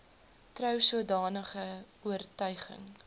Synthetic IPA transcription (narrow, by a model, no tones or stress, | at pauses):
trœwsuədɑːnəχə | uərtœɥχə̰ŋ